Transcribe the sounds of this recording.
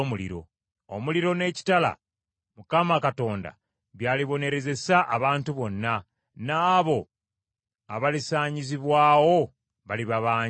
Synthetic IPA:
mulḭɾo̞̰ | omuliɾo̞ne̞ːci̥tala̰ | mukamakato̞ːnda̰ | βjaːliβo̞ne̞ɾe̞ze̞saʔaβaːntuβo̞nːa | naːβo̞ | a̰βalisaːɲiziβwaːwo̞ | βaliβaβaː

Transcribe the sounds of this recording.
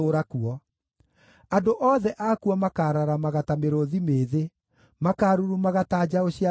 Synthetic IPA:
oːɾakuɔ | andoʔɔðɛʔakuɔmakaːɾaɾamaɣatameɾoðimeːðe | makaːɾuɾumaɣataːd͡ʑaoɕia

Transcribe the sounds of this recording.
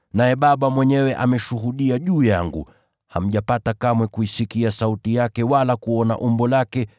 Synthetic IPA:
najɛɓaɓamwɛɲɛwɛʔamɛʃuɦuɗiaʄuːjaŋɡṵ | ha̰m̩ʄapatakamwɛkuisikiasautijakɛwalakuɔna̰ʔumbɔlakɛ

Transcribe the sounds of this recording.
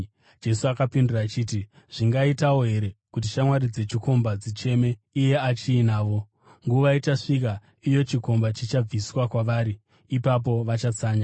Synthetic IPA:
d͡ʒe̞suakapinduraːt͡ʃiːti | ʐ̥iŋɡaitawo̞ɦe̞ɾe̞kut̬it͡ʃamwaɾid͡ze̞t͡ʃiko̞mbad͡zit͡ʃe̞me̞ije̞at͡ʃiːnaːʋo̞ | ŋɡuʋaitaʂik̬a | ijo̞t͡ʃiko̞mbat͡ʃit͡ʃab͡viswakwaʋaːɾiː | pap̬o̞ʋat͡ʃat͡saːɲa

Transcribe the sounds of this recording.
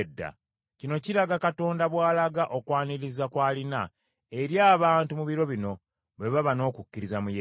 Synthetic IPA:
dːa̰ | cino̞ciɾaɡakato̞ːndaβwaːlaɡaʔo̞kwaːniɾizakwaːlina | eɾjaːβaːntumuβiɾo̞βino̞ | βe̞βaβano̞ːkucːiɾizamuje

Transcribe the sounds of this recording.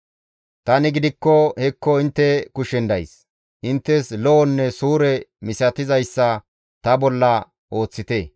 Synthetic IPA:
t̪ɐnɪɡɪd̪ɪkːɔhɛkːɔɪnt̪ːɛkʊʃɛnd̪ɐjs | ʔɪnt̪ːɛslɔɔnːɛsuːɾɛmɪsɐt̪ɪzɐjsːɐ | t̪ɐbɔlːɐ | ʔo̞ːt͡sːɪt̪e

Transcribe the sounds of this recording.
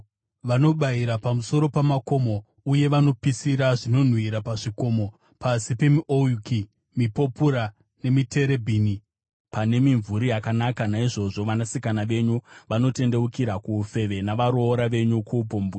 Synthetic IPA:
ʋano̞ɓaiɾapamuso̞ɾo̞pamako̞mo̞ | uje̞ʋano̞pisiɾaʐino̞n̤wiɾapaʐiko̞mo̞ | pʰasipe̞miʔojuki | mipo̞puɾa | ne̞mite̞ɾe̞bʱiːni | pane̞miɱvuɾijakanakanaiʐo̞ʐo̞ʋanasikanaʋe̞ɲuʋano̞te̞nde̞ukiɾakuːfe̞ʋe̞naʋaɾoːɾaʋe̞ɲukʰupoːmbu

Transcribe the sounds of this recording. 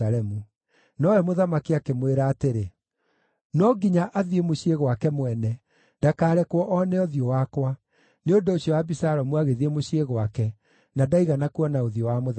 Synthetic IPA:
aɾɛmu | nɔwɛmoðamakiakemweɾaːteɾe | nɔɡiɲaʔaðiemoɕieɣwakɛmwɛnɛ | d̥akaːɾɛkwɔʔɔnɛɔðiɔwakwa | neondooɕjɔwabisaɾɔmwaɣeðiemoɕieɣwakɛ | nadaiɣanakwɔnaoðiɔwamo

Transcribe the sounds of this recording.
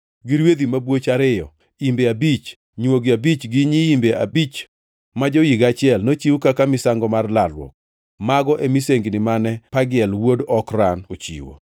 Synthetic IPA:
ɡɪɾwed̪imabwot͡ʃaɾɪjɔ̰ | imbeabit͡ʃ | ɲwoɡiabit͡ʃɡɪɲiimbeabit͡ʃ | mad͡ʒojiɡat͡ʃɪɛlnot͡ʃiwukakamɪsaŋɡɔmarlalwɔ̰k̚ | maɡɔʔemiseŋɡnɪmanɛpaɡɪɛlwodɔkɾanot͡ʃḭwo̰

